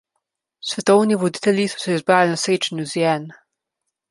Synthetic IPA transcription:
sʋɛt̪ɔwniʋɔd̪i̥t̪ɛlʲjisɔ̥sɛizbɾaːlinasɾeːt͡ʃanjuzjɛn

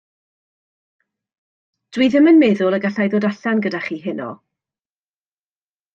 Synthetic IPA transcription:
d̥wiːðɪmənmɛðʊlˠəɡaɬajðoːdaɬanɡədaχiːɦɪnɔ̰

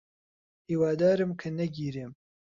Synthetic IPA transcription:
hiːwaːd̪aːɾɨmkʰɐnɐɡiːɾeːm

